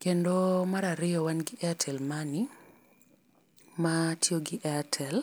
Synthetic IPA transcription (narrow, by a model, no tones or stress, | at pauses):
kendomaɾaɾɪɔwanɡɪʔɛatʰɛlmanɪ | matʰjoɡɪʔɛatʰɛl